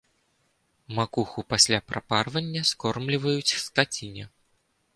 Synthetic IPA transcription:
makuxupasʲlʲapɾaparvɐnʲːɐskɔrmlʲivɐjut͡sʲsk̪at͡sʲinʲɛ

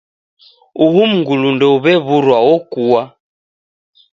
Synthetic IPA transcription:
uɦum̩ɡulundɔuβɛβuɾwawɔkuwa

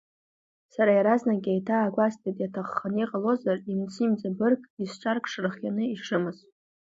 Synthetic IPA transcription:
saɾajaɾaznaɡʲajtʰaːɡʷastʼadʼjatʰaχːaniqʼalo̞zarimt͡sʰimd͡zabɨrkʼist͡ʃʼarkʼʂrɨχjanɨiʂɨmɨz̥

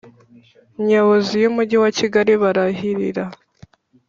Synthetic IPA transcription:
ɲaβozijumuɟiwaciɡaɾiβaɾaɦiɾiɾa

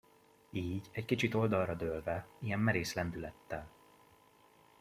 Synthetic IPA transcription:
iːɟɛckit͡ʃit̪o̞ld̪ɒlrɒd̪øːlvɛijɛmːɛɾeːslɛnd̪ylɛt̪ːɛl

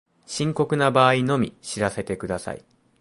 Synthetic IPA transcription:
ɕĩŋko̞kɯ̟nabaːino̞mʲiɕiɾase̞t̪e̞kɯ̟d̪asa̰ḭ

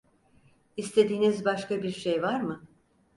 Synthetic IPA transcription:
ist̪ʰe̞d̪iːnizbaʃkabiɾʃejvaɾmɯ

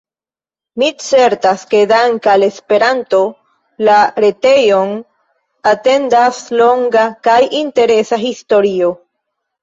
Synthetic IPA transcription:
mit͡se̞ɾt̪aske̞d̪aŋkale̞spe̞ɾant̪o̞ | laɾe̞t̪e̞jo̞n | at̪e̞nd̪aslo̞ŋɡakajint̪e̞ɾe̞saɦist̪o̞ɾio

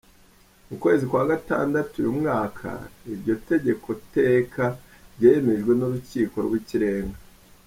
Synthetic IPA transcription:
mukwe̞ːzikwaɡata̰ːndatujumŋaːkʰa̰iɾɟo̞te̞ɟe̞kʰo̞te̞ːkʰa | ɾɟeːjeme̞ʒɡwe̞nuɾuciːko̞̰ɾɡwiciɾe̞ːŋɡa

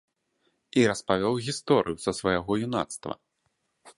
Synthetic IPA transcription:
iɾɐspavʲɔwɣʲist̪ɔɾʔɨ̰jusɐsvajaɣɔjuna̰t̪st̪vɐ̰

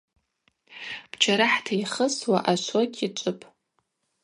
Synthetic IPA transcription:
b̥t͡ʃʰaɾaħtʰaiχəswaʔaʃʷoɡʲʼit͡ʃʷʼʊpʼ

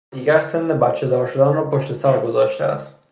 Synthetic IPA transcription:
d̪iːɡæɾse̞nːebæt̪t͡ʃʰːed̪ɒːɾʃod̪ænrɒːpʰoʃt̪e̞sæɾɡo̞zɒːʃt̪ʰeæ̰st̪̚

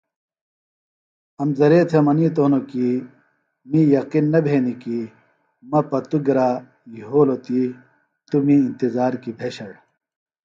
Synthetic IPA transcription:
ɐmzɐɾeːt̪ʰemɐnit̪oːnoki | mijɐqinːɐbʱeːniki | mɐpɐt̪uɡɐɾaː | jiɦoːlot̪i | t̪umiːnt̪izaːɾkibʰʱeːɕɐɽ

